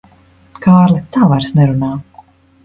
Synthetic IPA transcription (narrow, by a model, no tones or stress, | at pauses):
kaːɾlɛt̪ːaːvaɾsnɛɾunaː